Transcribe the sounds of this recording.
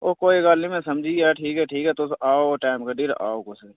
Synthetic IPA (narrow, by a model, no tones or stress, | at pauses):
oːkoːiɡaːlnĩmẽsɐmd͡ʒʱiːaːʈʰiːkɦɛʈʰiːkɦɛt̪osaːoʈaːɪmkaɖiɾa̰ːokos